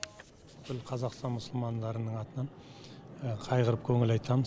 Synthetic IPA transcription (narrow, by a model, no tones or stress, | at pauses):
bɪkʰʲɪlˠqʰɑzɑqst̪ɑnmʊsəlˠmɑnd̪ɑɾənəɴɑt̪ənɑɴ | qʰɑjqəɾəp̚kʲʰɵŋɪlɑjt̪ɑməz